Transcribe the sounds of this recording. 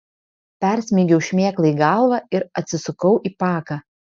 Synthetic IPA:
pʲɛˑɾʲsʲmʲiɡʲɛʊʃʲmʲeːklˠɐiːɡɑˑlˠʋɑɪɾɐt̪ʲsʲɪsʊkɐʊʔiːpɑːkɑ

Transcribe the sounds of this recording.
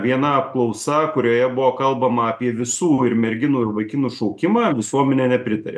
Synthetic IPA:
ʋʲiɛnɐɐp̚klˠɐʊsɐkʊɾʲoːjɛbʊʋoːkɐlˠbɐmɐɐpʲiɛʋʲɪsuːɪɾmʲɛɾʲɡʲɪnuːɪɾʋɐɪkʲɪnuːʃɔʊkʲɪmɑːʋʲɪsuɔmʲɛnʲɛːnʲɛpʲɾʲɪt̪ɐɾʲḛ

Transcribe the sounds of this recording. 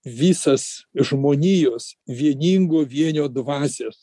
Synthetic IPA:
ʋʲiːsɐsʒmoːnʲiːjoːsʋʲiɛnʲiːŋɡoːʋʲiɛnʲoːd̪ʋɑːsʲɛs

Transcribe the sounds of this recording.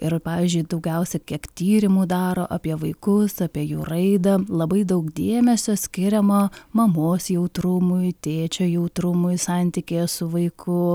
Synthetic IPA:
ɪɾpɑːʋʲiːzʲd͡ʒʲʊɪd̪ɐʊɡʲɛʊsʲɛkʲiɛkt̪ʲiːɾʲɪmuːd̪ɑːɾoːʔɐpʲiɛʋɐɪkʊsɑpʲiɛjuːɾɐɪd̪ɐlˠɐbɐɪd̪ɐʊkd̪ʲeːmʲɛsʲoːsʲkʲɪɾʲɛmɐmɐmoːsjɛʊt̪ɾʊmʊɪt̪ʲeːt͡ʃʲoːjɛʊt̪ɾʊmʊɪsɑnʲt̪ʲikʲeːsʊʋɐɪkʰʊ

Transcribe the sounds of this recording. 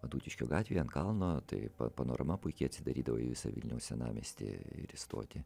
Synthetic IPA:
ɐd̪uːt̪ʲɪʃʲkʲoːɡɑːt̪ʲʋʲiːɐntkɐlˠnoːt̪ɐ̰ɪpɐ̰pɐno̰ːɾʔɐmɐpʊɪkʲɛɐt̪ʲsʲɪd̪ɐɾʲiːd̪ɐʋoːɪ̰ʋʲɪsɐ̰ʋʲɪ̰lʲnʲɛʊsʲɛnɑ̰ːmʲḛːsʲt̪ʲɪ̰ɪ̰ɾɪst̪o̰ːt̪ʲɪ

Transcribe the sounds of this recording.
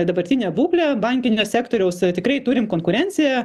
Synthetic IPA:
d̪ɐbɐɾʲt̪ʲɪnʲɛːbuːklʲɛbɐŋʲkʲɪnʲoːsʲæːkt̪oːɾʲɛʊst̪ʲɪkɾɐɪt̪uɾʲɪmkoːŋkʊɾʲɛnʲsʲɪjɛ

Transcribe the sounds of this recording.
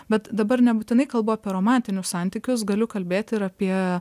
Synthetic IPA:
bʲɛt̪d̪ɐbɐɾnʲɛbuːt̪ʲɪnɐɪkɐlˠboːɑːpʲiɛɾoːmɑˑnʲt̪ʲɪnʲʊssɑnʲt̪ʲɪkʲʊs̬ɡɐlʲʊkɐlʲbʲeːt̪ʲɪɾɐpʲiɛ

